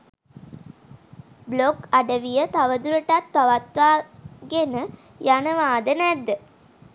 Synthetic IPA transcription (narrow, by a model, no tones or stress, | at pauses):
blokaɖəʋijət̪aʋəd̪uɾəʈat̪̚paʋat̪ʋaːɡenə | janəʋaːd̪ənɛd̪ːə